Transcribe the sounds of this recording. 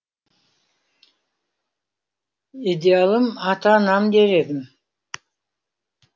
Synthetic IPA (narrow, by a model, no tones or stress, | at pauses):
id̪ʲealˠəmɑt̪ɑnɑmd̪eɾed̪ɪm